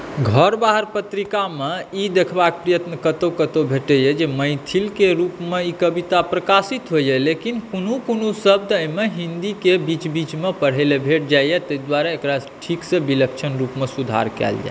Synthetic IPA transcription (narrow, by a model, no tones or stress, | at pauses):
ɡʱəɾbaɦəɾpət̪ɾikameid̪ekʰbak̚pɾijət̪nəkət̪okət̪obʱeʈəjɛd͡ʒeməjt̪ʰilkeɾupmeikəbit̪apɾəkasit̪ɦojɛlekinkonukonusəb̚d̪əjmeɦind̪ikebit͡ʃbit͡ʃmepəɽ̤ɛlebʱeʈ̚d͡ʒajɛt̪əid̪waɾaekɾaʈʰiksebiləkt͡ʃʰənɾupmesud̪ʱa̰ɾkɛ̰ld͡ʒa̰